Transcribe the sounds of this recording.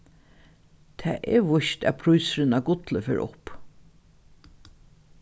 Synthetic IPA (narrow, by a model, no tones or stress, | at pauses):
t̪ʰɛ̰ːʔɛ̰ɹʋʊʃt̪æ̰pʰɾujsɾɪnaɡʊt̪ləfḛːɹʔʊ̰p